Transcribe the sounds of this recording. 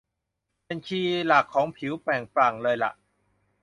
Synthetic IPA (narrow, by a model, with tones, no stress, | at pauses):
pe˧nkʰiː˧la˨˩kʰːɔː˨˩˦ŋpʰi˩˦wpɛː˨˩ŋpɾaː˨˩ŋlɤː˧jla̰˨˩ʔ